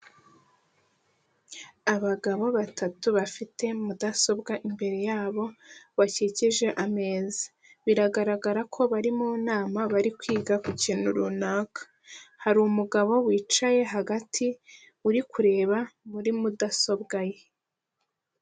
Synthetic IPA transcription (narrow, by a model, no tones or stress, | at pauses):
aβaɡaβo̞βatʰatuβafitʰe̞mudaso̞bɡaʔimbe̞ɾe̞jaːβo̞βaciciʒe̞ʔame̞ːzi̥ | βiɾaɡaɾaɡaɾakʰo̞βaɾimuːnaːmaβaɾikwiːɡakuciːnuɾunaːkʰḁ | haɾumuɡaβo̞wiːt͡ʃaje̞ɦaɡatʰi | uɾikʰuɾe̞ːβamuɾimudaso̞bɡaje̞